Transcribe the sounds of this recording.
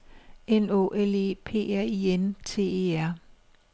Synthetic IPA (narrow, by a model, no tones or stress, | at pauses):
eno̝̰ʔele̝̰ːpʰe̝̰ːæɐ̰ient͡sʰe̝̰ːeːæɐ̰